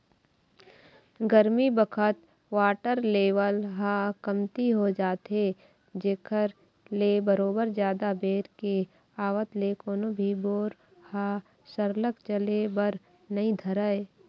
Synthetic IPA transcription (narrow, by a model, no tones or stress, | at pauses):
ɡəɾmibəkʰət̪ | ʋaːʈəɾleːʋəlɦakɐmt̪iɦod͡ʒaːt̪ɦe | d͡ʒeːkʰəɾ | leːbəɾoːbəɾd͡ʒjaːd̪abeːɾke | aːʋət̪lekoːnobʱiboːɾ | haː | səɾləkt͡ʃəlebəɾ | nɐɦĩd̪ʱəɾəe